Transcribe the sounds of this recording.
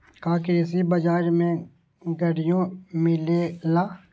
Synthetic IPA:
kaːkeɪsibɐd͡ʒaːɾmẽ | ɡɐɽɪjõmɪlelaː

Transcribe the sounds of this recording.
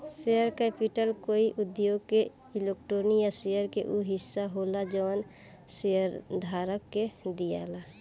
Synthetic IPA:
seəɾkɛpiʈəlkoːiʔʊd̪joːɡ̚ke | ilek̚ʈɾoːnijasejəɾkḛʔuɦɪsːaɦolad͡ʒɔn | seəɾd̪ʱaɾəkːed̪ija̰la

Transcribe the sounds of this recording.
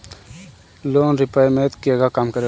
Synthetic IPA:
loːnɾɪpajmẽt̪kieɡakaːmkəɾe

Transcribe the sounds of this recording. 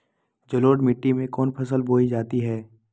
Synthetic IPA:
d͡ʒəloːɖmɪʈːimẽkɔːnpʰɐsəlbʱoːid͡ʒaːt̪iɦɛː

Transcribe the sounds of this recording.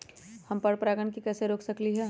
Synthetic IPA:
hɐmpəɾpɾaːɡəɳkikɛːseɾoːkʰsɐkliɦɛ

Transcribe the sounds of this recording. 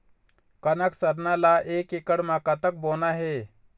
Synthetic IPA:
kɐnəksəɾnalaʔeːkekəɽmaːkat̪ək̚boːnaɦeː

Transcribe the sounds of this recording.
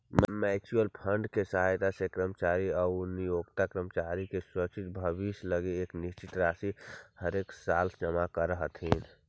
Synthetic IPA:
mmɛt͡ʃuəlpʰəɳɖkesəɦajt̪asekɾəmt͡ʃaɾiaunijoɡt̪akɾəmt͡ʃaɾikeswət͡ʃit̪bʱəbisləɡeekniʃt͡ʃit̪ɾasihəɾeksald͡ʒəmakəɾəɦət̪ɦin

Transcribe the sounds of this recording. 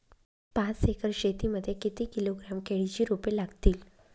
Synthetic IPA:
pat͡sekʰəɾɕet̪iːməd̪ʱːjekit̪iːkiloɡɾamkʰeɭit͡ɕiːɾupelaɡt̪iːl

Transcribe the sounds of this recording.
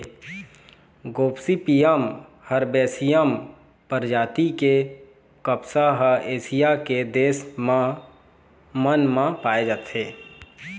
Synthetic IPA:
ɡoːpsipijəm | həɾbeːsijəm | pəɾd͡ʒaːt̪ike | kəpsaɦəeːsijaked̪eːs | mənmãpaːed͡ʒaːt̪ɦeː

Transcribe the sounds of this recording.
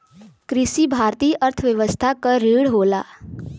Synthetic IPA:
kɾɪʃibʱaːɾt̪iːʔəɾt̪ʰəʋjəʋəst̪ʰakəɾiːɽɦoːlaː

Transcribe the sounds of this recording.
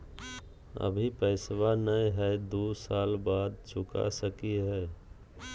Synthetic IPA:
ə̰bʱipəɪsʋanəjɦɛɪd̪usalbad̪̚t͡ʃʰʊka̰səkiɦɛ

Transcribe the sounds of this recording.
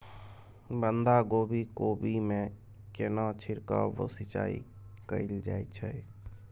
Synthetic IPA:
bənd̪ʱaɡoːbʱikoːbimẽ | kenãt͡ʃʰɪɾka̰ʋo̰sɪt͡ʃa̰ːḭ | kəild͡ʒa̰ːit͡ʃʰəe

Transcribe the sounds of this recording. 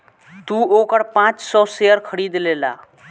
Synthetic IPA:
t̪uokəɽpãt͡ʃsɔseəɾkʰəɽiːd̪lela̰ː

